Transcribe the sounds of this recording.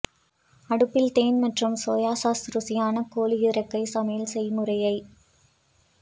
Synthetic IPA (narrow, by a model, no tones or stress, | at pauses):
ɐɽɯpːɪlt̪eːnmɐʈrɯmsoːjaːsaːsɾɯsɪjaːnɐkoːliɪɾɐkːɐɪsɐmeːlsɛjmɯrɐjɐɪ